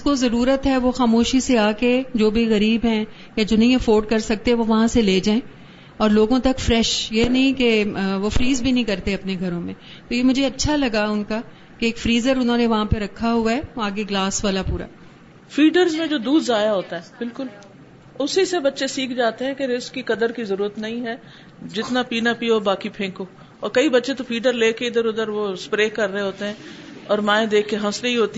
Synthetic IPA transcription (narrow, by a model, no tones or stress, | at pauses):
ɪskozɐɾuːɾət̪ɦɛʋoxaːmoːʃiseaːked͡ʒoːbʱiɣɐɾiːbɦɛ̃ː | jad͡ʒoːnɐɦĩɐfoːɾɖ̚kɐɾsɐk̚t̪eɦɛʋoʋɐɦãseleːd͡ʒaːẽː | ɔːɾloːɡõt̪ɐkfɾɛːʃjenɐɦĩkeʋofɾiːzbʱinɐɦĩkɐɾt̪eɐpneɡʱɐɾõmẽ | t̪ojemʊd͡ʒʱeɐtːʃʰalɐɡaʊnka | keːkfɾiːzəɾʊnɦõːneʋɐɦãpeɾɐkʰːaɦʊaɦɛaːɡeɡlaːsʋaːlapuːɾa̰ː | fiːɖəɾzmẽd͡ʒoːd̪uːd̪zaːjaɦoːt̪aɦɛːbɪlkʊl | ʊsisebɐtːʃesiːkʰd͡ʒaːt̪eɦɛ̃ːkeɾɪskːikɐd̪əɾkizɐɾuːɾət̪nɐɦĩɦɛː | d͡ʒɪt̪napiːnapiːobaːkipʰẽːkoː | ɔːɾkɐibɐtːʃet̪ofiːɖəɾleːkeɪd̪əɾʊd̪əɾʋoːspɾeːkɐɾːəeɦoːt̪eɦɛ̃ː | ɔːɾmãːẽd̪eːkʰkːeɦɐ̃sleɦiɦoːt̪i